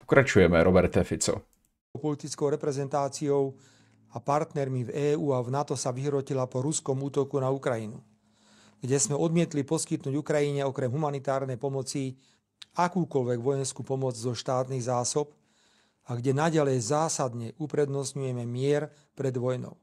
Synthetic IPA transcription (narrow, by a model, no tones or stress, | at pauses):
pɔ̥kɾat͡ʃujɛmɛɾɔbɛɾt̪ɛfit͡sɔ̰ | pɔlit̪it͡skɔʊɾɛpɾɛzɛnt̪aːt͡siɔʊ | apaɾt̪nɛɾmivɛːuːavnat̪ɔsaʋiɦɾɔcilapɔɾuskɔmuːt̪ɔkunaukɾajinṵ | ɡ̥ɟɛsmɛʔɔd̪mɪɛt̪lipɔskit̪nuːɟukɾajiɲɛɔkɾɛmɦumanit̪aːɾnɛjpɔmɔt͡si | akuːkɔlʋɛɡʋɔjɛnskupɔmɔd͡zzɔʃt̪aːt̪niɣzaːsɔp | aɡɟɛnaɟalɛjzaːsad̪ɲɛʔupɾɛd̪nɔsɲujɛmɛmɪɛɾ | pɾɛd̪ʋɔjnɔ̰ʊ